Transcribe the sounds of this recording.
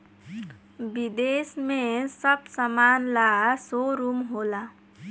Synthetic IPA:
bid̪esmesʌb̚səmanlasoɾumɦola

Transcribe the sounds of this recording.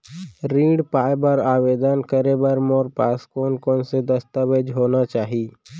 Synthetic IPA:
ɾĩːɖpaːebəɾaːʋeːd̪ənkəɾebəɾmoːɾpaːskoːnkoːnsed̪ɐst̪aːʋed͡ʒɦoːnat͡ʃaːɦiː

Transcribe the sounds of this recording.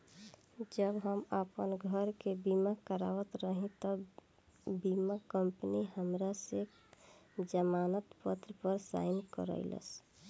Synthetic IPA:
d͡ʒəbɦəməpənɡʱəɾkebimakəɾa̰ʋət̪ɾəɦĩt̪ə | bimakəmpəniɦəmɾasek | d͡ʒəmanət̪pət̪ɾəpəɾsa̰ɪnkə̰ɾə̰ɪlə̰s

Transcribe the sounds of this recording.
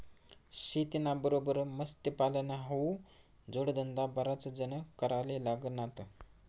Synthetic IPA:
ɕit̪inabəɾobəɾməst̪əpalənaɦou | d͡zoɽd̪ənd̪abəɾat͡səd͡zənəkəɾalelaɡənat̪ə

